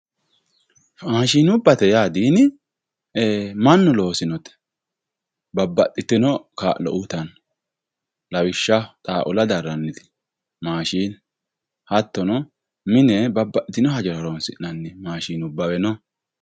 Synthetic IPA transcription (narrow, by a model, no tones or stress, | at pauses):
aːʃiːnʊbːɐt̪ɛjaːd̪iːnɪ | mɐnːʊlo̞ːsɪnɔt̪ɛ̥ | bɐbːɐtʼːɪt̪ːɪnɔka̰ːʔlɔ̰ʔut̪ɐn | lɐwɪʃːɐt̪ʼaːʔʊlɐd̪ɐɾːɐnːɪd̪ɪ̥ | maːʃiːn | hɐt̪ːɔnɔ | mɪnɛbɐbːɐʔɪt̪ːɪnɔhɐd͡ʒɛɾɐɾoːnsɪnɐnːɪmaːʃiːnʊbːɐwɛnɔ